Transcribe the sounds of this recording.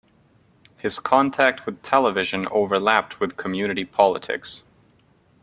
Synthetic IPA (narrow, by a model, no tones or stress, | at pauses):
hɨz̥kʰɑ̃ntʰæk̚t̚wɨð̥tʰɛlˠəvɪʒɨ̃noʊvə˞læp̚t̚wɨð̥kʰəmjʉnɨɾipʰɑlˠə̰tʰɪ̰ks